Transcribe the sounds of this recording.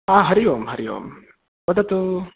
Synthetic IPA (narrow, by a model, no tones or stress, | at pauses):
aːɦɐɾiʋoːmɦɐɾijo̰ːm | bɐd̪ɐt̪u